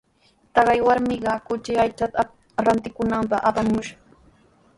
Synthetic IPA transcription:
t̪ɑɢɑjwaɾmɪɢɑkʊt͡ʃɪajt͡ʃat̪a | ɾant̪ɪkʊnampɑχapamʊʃḁ

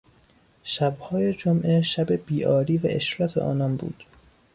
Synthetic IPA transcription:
ʃæbhɒːjed͡ʒomʔeʃæbe̞b̥iːʔɒːɾiːvæ̰ʔeʃɾɒt̪ʰḛʔɒ̰ːnɒːnbṵːd̪̥

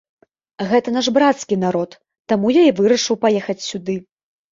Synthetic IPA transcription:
ɣɛt̪ɐnaʐbɾat̪skʲin̪aɾɔt̪ː | amujaivɨɾɐʂɨwpajɛxɐt͡sʲsʲud̪ɨ

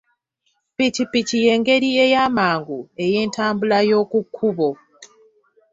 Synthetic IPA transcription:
picipicije̞ːŋɡe̞ɾie̞jaːmaːŋɡue̞je̞ːntaːmbulajo̞ːkukʰːuβo̞

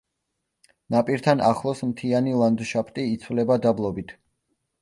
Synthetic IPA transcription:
napʼiɾt̪ʰanaχlˠɔsmt̪ʰianilˠand̪uʃapʰt̪ʼiːt̪sʰvlɛbad̪ablˠɔbit̪ʰ

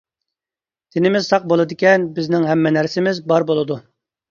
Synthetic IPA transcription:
d̪̥ɪnɪmɪz̥sɑq̚bolˠɨd̪ɪkʲɛnbɪznɪŋɦɛmːɛnæɾsɪmɪzbɑɾbolˠɨd̪u

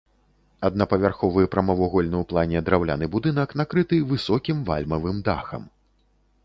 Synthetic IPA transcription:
ɐd̪̚napɐvʲarxɔvɨjpɾɐmɐvɔɣɔlʲnɨwplˠanʲɛd̪ɾawlʲa̰nɨbud̪ɨnɐkn̪akɾɨt̪ɨvɨsɔkʲimva̰lʲmɐvɨmd̪a̰xɐ̰m

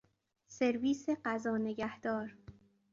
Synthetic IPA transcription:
se̞ɾviːseɢæzɒːne̞ɟæhd̪̥ɒːɾ

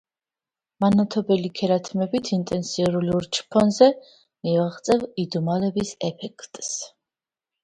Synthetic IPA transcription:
manat̪ʰɔbɛlikʰɛɾat̪ʰmɛbit̪ʰint̪ʼɛnsiɾuluɾt͡ʃʰpʰɔnzɛ | miaʁt̪sʼɛvid̪umalɛbisɛpʰɛkʰt̪ʼs

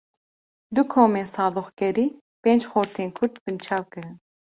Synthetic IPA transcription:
d̪ukʰoːmeːnsɑːd̪uxkɛɾiː | peːnd͡ʒxoːɾt̪ʰeːnkʰʊɾt̪bɨnt͡ʃʰɑːwkɨɾɨn

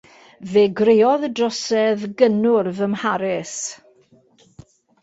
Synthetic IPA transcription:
veːɡrejɔðədrɔsɛðɡənʊrvəmhaɾɪs

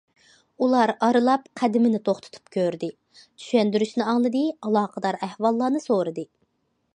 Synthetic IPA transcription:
ulˠɑɾɑɾɨlˠɑp̚qʰæd̪ɪmɪnɪt̪ʰoχt̪ʰʊ̥t̪ʰu̥p̚kʲʰøɾd̪ɪ | t͡ʃ̪ʰy̥ʃɛnd̪yɾyʃnɪɑŋlˠɨd̪ɨɑlˠɑːqʰəd̪ɑɾæhwɑlˠːɑːnɨsoɾɨd̪ɨ

